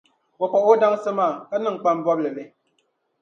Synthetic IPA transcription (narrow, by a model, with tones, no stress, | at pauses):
wo˨k͡pa˨ʔo˦da˦ŋsɨ˦maː˦˨ka˦nɨ˦ŋ̩˨k͡pa˦m˦bɔ˦blɨ˨lɨ˨